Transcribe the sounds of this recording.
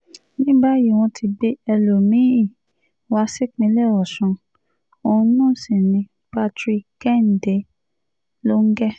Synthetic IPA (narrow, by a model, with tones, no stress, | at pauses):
nĩ˦ba˦ji˦˨w̃ɔ̃˧tʰi˧be˦ɛ˧lo˨mĩ˨˦˨ | wa˦si˦k͡pĩ˨˦lɛ˦˨ɔ˨sũ˨˧ | o˧ũ˧˦nãː˦˨si˨nĩ˧ | pa˦tɾi˧kɛ˦˨n̩˨de˨˦ | lo˦ŋ̩˦ɡɛ˦